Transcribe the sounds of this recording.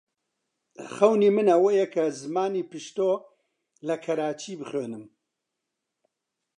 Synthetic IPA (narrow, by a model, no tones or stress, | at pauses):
χɐwniːmɨnɐwejɛkʰɐzɨmaːniːpɨʃt̪oː | lɐkʰɐɾaːt͡ʃʰiːbɨχøːnɨm